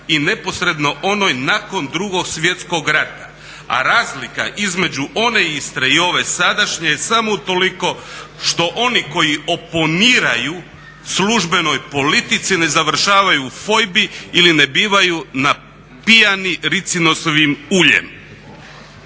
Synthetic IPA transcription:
ine̞po̞sɾe̞d̪no̞ʔo̞no̞jnako̞nd̪ɾuɡo̞ɡsʋje̞t̪sko̞ɡɾat̪a | a̰ɾaːzlika̰ʔizme̞d͡ʑuʔo̞ne̞ist̪ɾeio̞ʋe̞sad̪aʃɲe̞jesamo̞ut̪o̞liko̞ʃt̪o̞ʔo̞niko̞jio̞po̞niːɾaju | sluʒbe̞no̞jpo̞lit̪it̪sine̞zaʋr̩ʃaːʋajuːfo̞jbiiline̞biːʋajuna | pijaniɾit̪sino̞soʋimuʎḛm

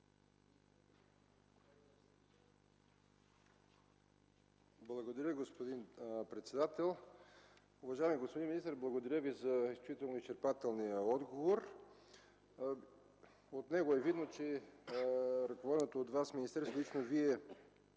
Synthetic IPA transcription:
blˠɐɡod̪ɐɾʲjəɡospod̪inpɾɛt̪sɛd̪at̪ɛlˠ | ʊvɐʒajmiɡospod̪inminist̪əɾblˠɐɡod̪ɐɾʲjəvizɐisit̪ɛlˠnoist͡ʃɛɾpat̪ɛlˠnijəɔd̪ɡovoɾ | ot̪nɛɡoɛvid̪not͡ʃɛ | ɾɐkovɔd̪ɛnot̪ood̪vasminist̪ɛɾslit͡ʃnoviɛ

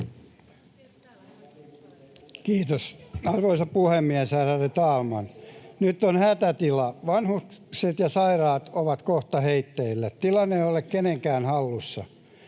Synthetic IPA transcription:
kiːt̪osɑrʋoisɑppuhemːiæshæræret̪ɑːlmɑnnyt̪ːonhæt̪æt̪ilɑʋɑnhukkset̪jɑsɑirɑːt̪oʋɑt̪koht̪ɑheit̪ːeilːett̪ilɑneiolekkeneŋkæːnhɑlːusːɑ̰

